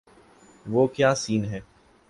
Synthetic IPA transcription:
ʋoːkjaːsiːnɦɛː

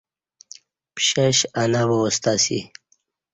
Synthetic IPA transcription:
pɕaɕanawost̪asḭ

